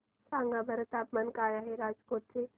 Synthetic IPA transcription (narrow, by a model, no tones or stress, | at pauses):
sãːŋɡabʱɐɾət̪aːpmɐnkaːjaɦeɾaːd͡ʒkoːʈse